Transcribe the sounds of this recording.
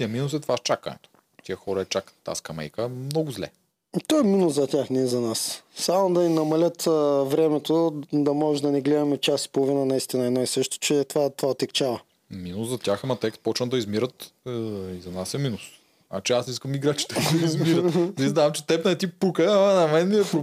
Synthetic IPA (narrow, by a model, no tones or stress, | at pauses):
t̪iɐminusɛt̪vaʃt͡ʃakɐ̰nɛ̰t̪o̥ | t̪iəxɔɾɐɛt͡ʃakə̥t̪ːa̰skɐmɛ̰jkəmnɔɡʊzlɛ̰ | t̪ɔɛminʊszɐt̪ʲaxnɛzɐnassamod̪ɐninɐmɐlʲət̪ːvɾɛmɛt̪od̪ɐmɔʒd̪ɐnɛɡlɛd̪ɐmɛt͡ʃasi̥polˠovinənɐist̪inɐɛd̪aisɤʃt̪o̥t͡ʃɛt̪ovat̪ovaot̪ɛkt͡ʃavɐ | minʊszɐt̪ʲjaxɐmɐt̪ɛkst̪pɔt͡ʃnəd̪ɐizmiɾət̪ | izɐnasɛminus | a̰t͡ʃɛasiskəmiɡɾat͡ʃi̥t̪əid̪ɐizmiɾəiznamt͡ʃɛt̪ɛpnɐɛt̪ipukəɐmɐnɐmɛnmiɛpɾ